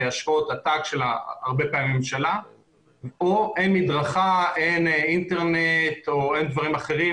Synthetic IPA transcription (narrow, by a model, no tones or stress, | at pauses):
eaʃo̞t̪at̪akʃe̞laːʁbe̞paːimːemʃala | oʔenmid̪ʁaχaeninte̞ʁnet̪oend̪vaʁimaχe̞ʁi